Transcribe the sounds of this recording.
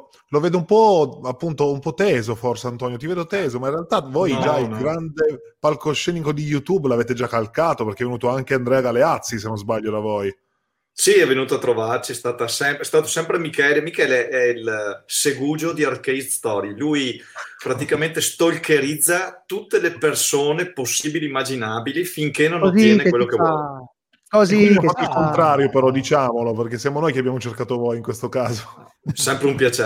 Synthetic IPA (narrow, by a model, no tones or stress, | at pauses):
loveːd̪oumpɔapːunt̪oumpɔt̪ɛːzoforseant̪ɔːnjot̪̬iveːd̪ot̪ɛːzomaĩnrealt̪avojd͡ʒailɡɾand̪e | palkoʃːɛnikod̪ijut̪uːblaveːt̪ed͡ʒakːalkaːt̪operkeɛvenuːt̪oaŋk̟eand̪ɾɛaɡaleat̪sːis̬enːõnzbaʎːod̪avoj | siɛvːenuːt̪oat̪ːɾovart͡ʃiɛst̪aːt̪asɛmpɾɛst̪aːt̪osɛmpɾemikɛːlemikɛːleʔɛilseɡuːd͡ʒod̪iarkejsd̪st̪ɔɾilujpɾat̪ikament̪est̪olkeɾid̪zːat̪ut̪ːelepersoːneposːiːbiliːmːad͡ʒinaːbilifiŋkenːonajɛɛnekwelːoke | ziofat̪ːoilkont̪ɾaːɾjopeɾɔd̪it͡ʃaːmoloperk̟esjamonojkeabjamot͡ʃerkaːt̪ovojiŋkwest̪okaːzo | ssɛmpɾeumpjat͡ʃe